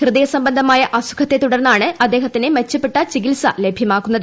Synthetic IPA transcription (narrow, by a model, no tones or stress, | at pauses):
hrɨðɐjɐsɐmbɐnd̪ʱɐmaːjɐʔɐsu̥kʰɐt̪ːe̞t̪uɽɐrnːaːɳɨɐd̪ːe̞ːɦɐt̪ːinemet͡ɕːɐpːeʈːɐt͡ɕikilsɐlebʱjɐmaːkːunːɐðɨ